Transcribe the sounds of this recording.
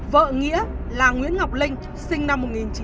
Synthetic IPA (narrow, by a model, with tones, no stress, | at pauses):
və̰ː˧˨ŋḭ˧˥əlaː˨˩ŋwḭ˧˥ənŋa˨˩wk͡p̚lï˧ŋ̟ | sï˧ŋ̟na˧mːo˨˩t̚ŋi˨˩nt͡ɕ